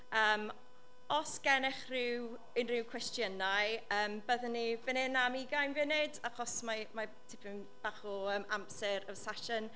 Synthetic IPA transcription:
əːm | ɔsɡ̥ɛnɛχrɪw | ɪnrɪwkʰwɛstjənajəːmbəðənːivənɪnamiɡajnvɪnɪdaχɔsmamatʰɪpʰən | b̥aːχɔəːmamsɛɾəvsaʃən

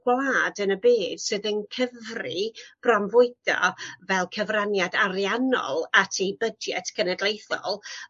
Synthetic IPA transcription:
ɡ̥wlaːdənəbeːd̥sɨːðənkʰəvrib̥rɔmvʊɨd̥ɔ̰vɛlˠkʰəvranjadaɾjanɔ̰lˠatʰijbədɛ̰tkʰənɛdlˠejθɔ̰lˠ

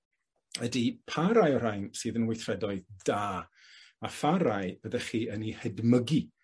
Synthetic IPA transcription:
ədipʰaɾajɔɾ̥ajnsɨːðənwɪjθrɛdɔɨðd̥aː | afaɾajb̥əðɛχiːənihɛdməɡi

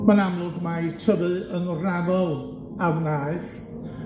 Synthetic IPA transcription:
manamlˠʊɡmajtʰəbɨənɔraðɔlˠ | awnaɨθ

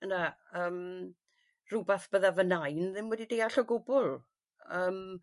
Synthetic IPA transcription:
ənaəːm | r̥ubaθb̥əðavənajnðɪmwɛdidejaɬɔɡʊbʊlˠ | əːm

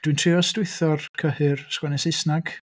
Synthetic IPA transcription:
d̥wintʰrɪɔstɪɨθɔrkʰəhɨrskwɛnɛsesnaɡ̥

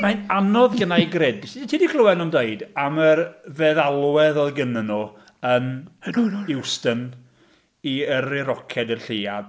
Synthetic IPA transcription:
majnanɔðɡənajɡrɛdsitʰidikʰlˠəwɛnɔndeɨdamərvɛðalˠwɛðɔɡənənu | ən | ɪwstən | iərɪɾɔkʰɛdərɬɪːad

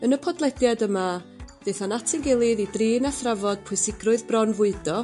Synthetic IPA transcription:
ənəpʰɔdlˠɛdjadəma | v̥eθanatʰɪŋɡɪlˠɪðidriːnaθravɔd̥̚pʰʊɨsɪɡrʊɨðbrɔnvʊɨdɔ

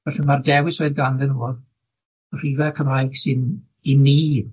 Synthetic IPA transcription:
vɛrimardɛwɪsoɨðɡanðɛnuːlˠ | r̥iːvɛkʰəmajɡ̥sɨn | inːiːd

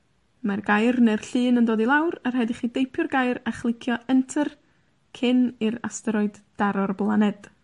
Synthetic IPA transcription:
marɡajrnɛrɬɨːnəndoːdilˠawrarɦɛdiχiːdejpʰjʊrɡajɾaχlˠɪkʰjɔʔəntʰər | kʰɪniɾa̰stəɾɔɨdd̥aɾɔrblˠanɛd̥

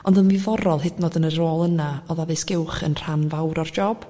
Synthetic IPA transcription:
ɔndənvɪvɔɾɔlˠɦɪdnɔdənəɾoːlˠənaɔðavɨsɡ̥ɪwχə̰nr̥anvawɾɔrd͡ʒɔb̥

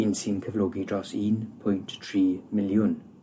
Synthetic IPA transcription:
insinkʰəvloːɡidrɔsiːnpʰʊjnttʰriːmɪljʊn

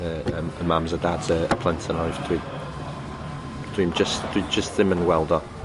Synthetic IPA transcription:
əəməmãmzədadz̥əəpʰl̥ɛ̃ntʰə̃naɪvd̥i | d̥ĩmd͡ʒəsd̥əid͡ʒəsðɪ̃mə̃nwɛlˠdə

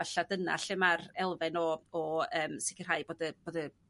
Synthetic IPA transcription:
aɬadəna̰ɬɪmarɛlˠvɛnɔɔəːmsɪkɪrɦajboːdəb̥oːdə

